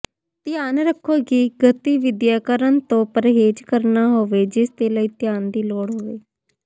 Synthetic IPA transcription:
t̪ɪjaːnɾəkʰːoːɡiːɡət̪iːʋɪd̪jaːkəɾənt̪õːpəɾɦeːd͡ʒkəɾnaːɦoːʋeːd͡ʒɪst̪eːləiːt̪jaːnd̪iːloːɽɦoːʋeː

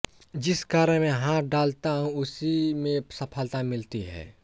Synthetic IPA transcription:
d͡ʒɪskaːɾə̃mẽɦãːtɖaːlt̪aɦũʊsimẽsɐpʰəlt̪amɪlt̪iɦɛ̰ː

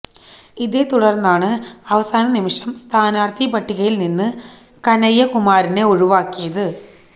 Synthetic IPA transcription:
iðe̞ːt̪uɽɐrnːaːɳɨɐʋɐsaːnɐnimiʂɐmst̪ʰaːnaːrt̪ʰipɐʈːiɣɐjilninːɨ | kɐnɐjːɐkumaːɾine̞oɻuʋaːkːijɐðɨ

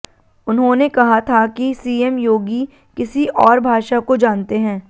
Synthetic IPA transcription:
ʊnɦõnekɐɦat̪ʰakisiːɛmjoːɡi | kɪsiʔɔːɾbʱaːʃakod͡ʒaːnt̪eɦɛ̃ː

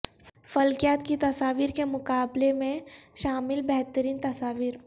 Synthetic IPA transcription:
fɐlkjaːt̪kit̪ɐsaːʋiːɾkemʊkaːblemẽʃaːmɪlbɛɦt̪əɾiːnt̪ɐsaːʋiːɾ

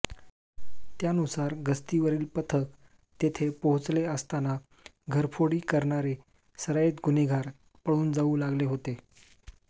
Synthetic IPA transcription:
t̪janusaɾɡəst̪iʋəɾiːlpət̪ʰək | t̪et̪ʰepəɦut͡sleəst̪ana | ɡʱəɾpʰoɽiːkəɾɳaɾe | səɾajet̪ɡuneɡʱaɾ | pəɭuːnd͡zauːlaɡleɦot̪e

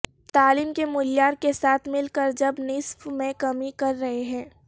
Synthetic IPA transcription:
t̪aːliːmkemʊljaːɾkesaːt̪ʰmɪlkəɾd͡ʒɐbnɪsfmẽkɐmikɐɾːɐɦeɦɛ̃ː

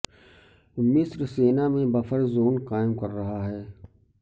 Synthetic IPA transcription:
mɪsɾseːnamẽbɐfʰəɾzoːnqaːɪmkɐɾːɐɦaɦɛː

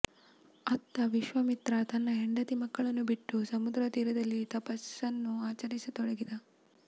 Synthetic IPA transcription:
ɐt̪ːɐʋiʃʋɐmit̪ɾɐt̪ɐnːɐɦeɳɖɐt̪imɐkːɐɭɐnːubiʈːusɐmud̪ɾɐt̪iːɾɐd̪ɐlːit̪ɐpɐsɐnːuaːt͡ʃɐɾisɐt̪ɔɽɐɡid̪ɐ

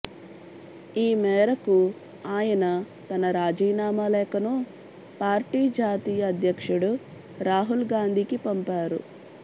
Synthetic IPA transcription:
iːmɛːɾɐku | aːjɐnɐ | t̪ɐnɐɾaːd͡ʒiːnaːmɐlɛːkɐnu | paːɾʈiːd͡ʒaːt̪iːjɐːd̪ʱjɐkʂuɽu | ɾaːɦulɡaːnd̪ʱiːkipɐmpaːɾṵ

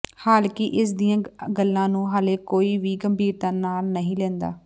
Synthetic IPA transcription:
haːlkɪʔɪs̬d̪ijãːɡəlːãːnũːɦaːleːkoːiːʋiːɡəmbʱiːɾt̪ãːnaːlnəɦĩːlɛ̃ːnd̪a̰ː

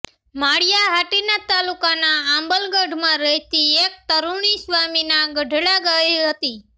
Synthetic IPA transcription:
maɽijaɦaʈinat̪alukanaːmbəlɡəɖʱmãɾəɦt̪iek̚t̪əɾuɳ̃isʋaminaɡəɖʱɭaɡəiɦət̪i

